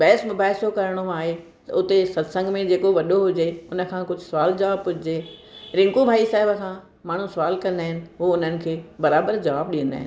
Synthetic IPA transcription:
bɛːsmʊbaːɦsokɐɾɽ̃oaːɦe | t̪ɐ̰ʊt̪esɐd̪sə̃ŋɡmẽd͡ʑeːkoʋɐɗoɦʊd͡ʑeʊnə̆kʰãkʊd͡ʑʱʊsʊʋaːld͡ʑɐʋaːb̚pʊd͡ʑʱɪd͡ʑeːɾɪ̃ŋɡubʱaːisaːɦɪbəkʰã | maːɳ̤ũsʊʋaːlkɐ̃nd̪aːɦɪnɪ̆ɦʊoʊn̤ənɪ̆kʰeːbɐɾaːbəɾd͡ʑɐʋaːb̚ɗĩːə̃nd̪a̰ːɦɪ̰̃n

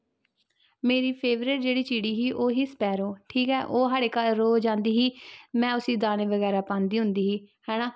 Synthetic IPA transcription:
meːɾiːpʰeːʋɾɪʈ̚d͡ʒeːɽiːt͡ʃiːɽiːɦiːʔoːɦiːspɛːɾoːʈʰiːkɛːʔoːɦaːɽeːkəlːoːd͡ʒãːnd̪iːɦiːmɛ̃ːʊsĩːd̪aːnẽːʋəɣɛːɾaːpãːnd̪iːɦʊnd̪iːɦiːhɛːnãː

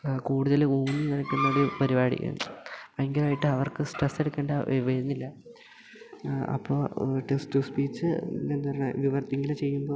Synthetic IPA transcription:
kuːɽuðɐluːninɐɽɐkʲːunːɐɽipɐɾibaːɽḭkʲːɐ̰pɐeŋɡilaːjiʈːɨɐʋɐrkɨsʈresːe̞ɽukːeːɳɖɐʔʋeɾunːilːɐ | ɐ̰pːoːʈesʈɨspiːt͡ɕːɨend̪ɐɐɾɐɳɐʋiʋɐrt̪ːiŋɡɐlɨt͡ɕe̞jːumbo̞ː

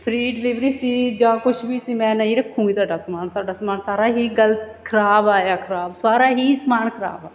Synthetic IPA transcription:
pʰɾiːɖɪlɪʋɾiːsiːd͡ʒãːkʊt͡ʃʰbiːsiːmɛ̃ːnaĩːɾəkʰːũːɡiːt̪ʊwaːɖaːsmaːnt̪aːɖaːsmaːnsaːɾaːɦiːɡəlt̪ | kʰəɾaːbaːjaːkʰəɾaːbsaːɾaːɦiːsmaːnkʰəɾa̰ːbaː

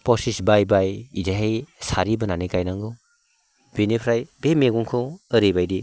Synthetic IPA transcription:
pɔsisbajbajizaɦejsaɾibɯnanikajnaŋɡɯw | b̥enipʰɾajbemeɡuŋkʰɯɯɾebajdi

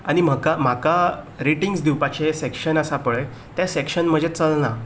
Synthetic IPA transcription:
aɽ̃im̤əkam̤aka | ɾiʈiŋɡsd̪iwpat͡ɕesekɕənəsapəɭe | t̪jasekɕənm̤əd͡ʑʱet͡səlna

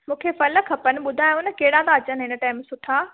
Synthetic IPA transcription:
mũːkʰefɐlə̆kʰɐpənɪ̆ɓʊd̪ʱaːj̃ʊnə̆kɐɦɪɽãt̪aɐt͡ɕənɪɦɪnəʈaːɪmsʊʈʰaː

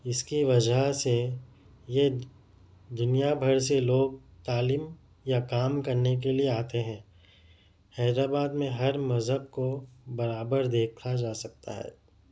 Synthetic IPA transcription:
ɪskiʋɐd͡ʒəse | je | d̪ʊnijabʱɐɾseloːɡ̚t̪aːliːm | jakaːmkɐɾnek̬elieaːt̪eɦɛ̃ː | hɛːd̪ɾaːbaːd̪mẽɦɐɾmɐzɦəb̚kobɐɾaːbəɾd̪eːkʰad͡ʒaːsɐk̚t̪a̰ɦɛ̰ː

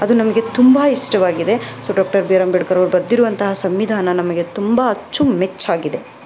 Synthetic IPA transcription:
ɐd̪unɐmɐɡe̞t̪umbɐiʂʈɐʋaːɡid̪e̞soɖaːk̚ʈɐɾbiɾɐmbeɖkɐɾoʋɾbɐɾd̪iɾuʋɐnt̪ɐɦɐsɐmʋid̪ʱaːnɐnɐmɐɡet̪umbɐɐt͡ʃːumet͡ʃːaːɡid̪e̞

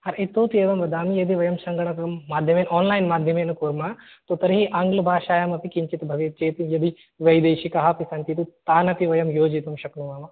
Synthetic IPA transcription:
hɐɾit̪oːt̪ieːʋɐmʋɐd̪aːmijɐd̪iʋɐjɐmsɐŋɡɐɳɐk̪ɐmːaːd̪ʱjɐmeːnaːnlaːjnmaːd̪ʱjɐmeːnukuːɾmaː | t̪oːt̪ɐɾiɦiʔaːŋɡlɐbʱaːʃaːjɐmɐpikiɲt͡ʃit̪bʱɐʋjɐt͡ʃeːt̪ijɐd̪i | ʋɐjd̪eːʃikɐɦɐpisɐnt̪it̪it̪aːnɐp̪iʋɐjɐmjoːd͡ʒit̪ɐmʃɐknuʋaːmɐ

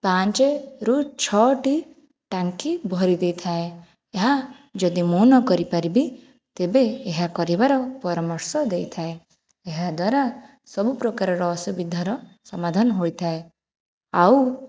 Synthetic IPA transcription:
pãnt͡ʃeɾut͡ʃʰɔʈi | ʈaŋkibʱɔɾid̪ejt̪ʰae | eɦa | d͡ʒɔd̪imonɔkɔɾipaɾibi | t̪ebeːɦakɔɾibaɾɔpɔɾɔmɔɾsɔd̪ejt̪ʰaeː | ɦad̪waɾa | sɔbupɾɔkaɾɔɾɔːsubid̪ʱaɾɔsɔmad̪ʱɔnɔɦojt̪ʰae | aw

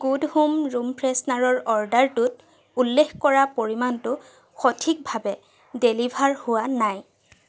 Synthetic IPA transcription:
ɡ̥udhumɹumpɹesnaɹɔɹɔɹdaɹtʊt̚ | ulːexkɔɹapoɹimantʊ | xɔtʰik̚bʱabɛ | delibʱaɹhʊwanaj

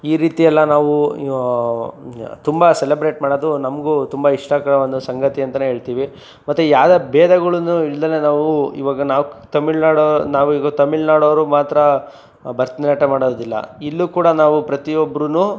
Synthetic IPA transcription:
iːɾiːt̪ijɐlːɐnaːʋu | t̪umbɐsɛlebɾe̞ːʈmaːɽod̪unɐmɡut̪umbɐiʂʈɐkɐɭɐʋond̪usɐŋɡɐt̪iɐnt̪ɐneɦeːɭt̪iːʋi | mɐt̪ːujaːd̪ɐbɛːd̪ɐɡɐɭunuilːd̪ɐnenaːʋuḭʋaːɡɐnaːʋt̪ɐmiɭnaːɽonaːʋuiːɡɐt̪ɐmiɭnaːɽoːʋɐɾumaːt̪ɾɐ | bɐɾt̪nɐnɐʈɐmaːɽoːd̪ilːɐ̰ilːukuːɽɐnaːʋupɾɐt̪iɔbɐɾunu

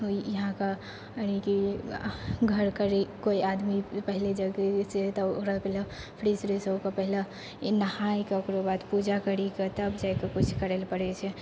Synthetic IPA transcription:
ojɐɦãka | niki | ɡʱəɾkəɾekoiʔad̪mipəɦɪled͡ʒəɡeset̪ɔoɾapɛɦla | pʰɾisɾesəkapəɦila | nɐhaikakɾobat̪pud͡ʒakəɾiket̪əbd͡ʒaekekʊt͡ʃʰkəɾelpəɽet͡ʃʰɛ

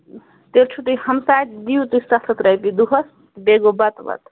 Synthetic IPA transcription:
t̪eɾt͡ʃʰut̪ɨhɐmsajt̪d̪iut̪usɐkt̪ʰɐt̪ɾɐjpid̪uɦɐs | beɡobɐt̪ʋɐ̰t̪

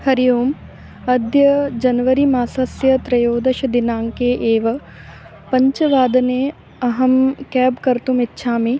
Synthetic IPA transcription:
hɐɾijoːm | ɐd̪jɐd͡ʒɐnʋɐɾimaːsɐsjɐt̪ɾɐjoːd̪ɐʃɐd̪ɪnaːŋkeːʔeːʋɐ | pɐɲt͡ʃɐʋaːd̪ɐneː | ɐɦɐmkɛːbkɐɾt̪umɪtːʃʰaːmeː

